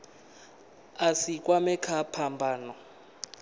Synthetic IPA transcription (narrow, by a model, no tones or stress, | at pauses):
asikʼwamɛkʰapʰambʱaːnɔ